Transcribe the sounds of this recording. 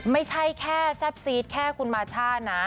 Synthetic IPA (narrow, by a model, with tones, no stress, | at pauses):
ma˥˩jt͡ɕʰa˥˩jkʰɛː˥˩sɛ˦˥p̚siː˦˥t̪̚kʰɛː˥˩kʰu˧nmaː˧t͡ɕʰaː˥˩na˦˥